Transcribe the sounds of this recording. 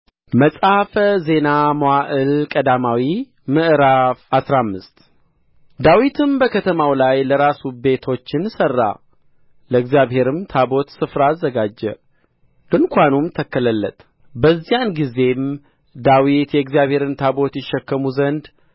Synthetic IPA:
məsʼafəze̞namowaʔɨlkʼəd̪amawi | mɨʔɨɾafasɾamːɨst̪ | d̪awit̪ʰɨmbəkʰət̪ʰəmawlajləɾasube̞t̪ʰo̞t͡ʃːɪnsərːa̰ | ləɨɡzijaβhe̞ɾɨmt̪ʰabo̞t̪sɨfɾaːzːəɡad͡ʒːɛ̰ | ɡɨnkʰʷanumt̪ʰəkːələlːə̰t̪ʼ | bəzːijanɡize̞m | d̪awit̪jɛɨɡzijaβhe̞ɾɨnt̪ʰabo̞t̪jɪʃːɛkːəmuzənd̪

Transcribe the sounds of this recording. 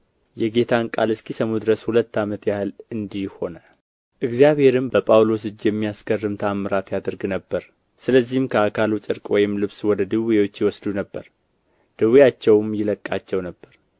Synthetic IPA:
jɛɡe̞t̪ʰankʼa̰lɨskʰisəmud̪ɨɾəshulət̪ːamət̪jahɨlɨnd̪iho̞nə | ʔɨɡzijaβhe̞ɾɨmbəpʼawlo̞sɨd͡ʒjɛmːijaskərːɨmt̪ʰamːɨɾat̪jad̪əɾɡnəbːəɾ | sɨləzːihmkʰəakʰalut͡ʃʼɨɾkʼwɔjɪmlɨβswɔd̪əd̪ɨwijo̞t͡ʃːjɛwɔsd̪unəbːəɾ | d̪̥ɨwijat͡ʃːɛwmjɪləkʼːat͡ʃːɛwnəbːəɾ

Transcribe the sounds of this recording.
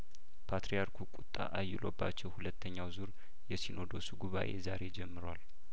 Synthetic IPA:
pʰat̪ɾijaɾkʰukʼut̪ʼːa̰ʔajːɪlo̞bːa̰t͡ʃːɛwhulət̪ːəɲːawzuɾ | jɛsino̞d̪o̞suɡuβa̰ʔe̞zaɾe̞d͡ʒɛmːɨɾwal

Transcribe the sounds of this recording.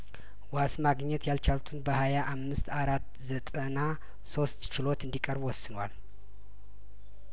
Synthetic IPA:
wasmaɡɲːɛt̪ʰjalt͡ʃʰalut̪ʰɨnbəhajaʔamːɨst̪aɾat̪ː | zət̪ʼəna | so̞st̪t͡ʃɪlo̞t̪ɨnd̪ikʼəɾbwɔsːɨnwal

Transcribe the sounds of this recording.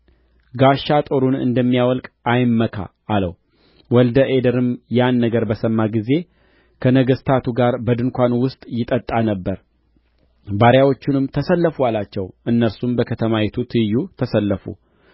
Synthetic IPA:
ɡaʃːat̪ʼo̞ɾunɨ̰nd̪əmːijawɔlkʼajmːəkʰa̰ːlə̰w | wɔld̪əʔed̪əɾɨmjanːəɡəɾbəsəmːaɡize̞ | kʰənəɡəst̪ʰat̪ʰuɡaɾbəd̪ɨŋkʷanwʊst̪ʼjɪt̪ʼət̪ʼːanəbːəɾ | baɾjawo̞t͡ʃːunɨmt̪ʰəsəlːəfuwalat͡ʃːɛwʔɨnːəɾsumbəkʰət̪ʰəmajɛt̪ʰut̪ʰɨjːut̪ʰəsəlːəfṵ

